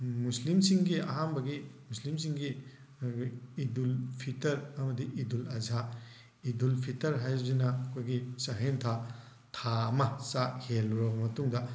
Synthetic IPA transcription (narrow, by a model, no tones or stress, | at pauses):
muslimsiŋɡiɐɦanbɐɡimuslimsiŋɡi | idulpʰitɐɾɐmɐdiʔidulɐza | idulpʰitɐɾɦajzinɐːkʰojɡisɐɦentʰa | tʰaɐmɐsaʔhelːuɾɐbɐmɐtuŋdɐ